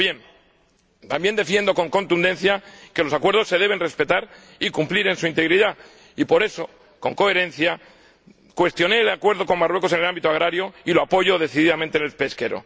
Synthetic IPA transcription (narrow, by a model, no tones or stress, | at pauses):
je̞n | t̪ambje̞nd̪e̞fje̞nd̪o̞ko̞ŋko̞nt̪und̪e̞nθjake̞lo̞sakwe̞ɾð̞o̞sːe̞ðe̞β̞e̞nre̞spe̞t̪aɾ | ikumpliɾe̞nsuint̪e̞ɣɾiða | ipoɾe̞so̞ | ko̞ŋko̞e̞ɾẽ̞n̟θja | kwe̞st̪jo̞ne̞ːlakwe̞ɾð̞o̞ko̞ŋmarwe̞ko̞se̞nelambit̪oaɣɾaɾjoiloapo̞ʝo̞ðe̞θiðiðamẽnt̪enelpe̞ske̞ɾo̞̰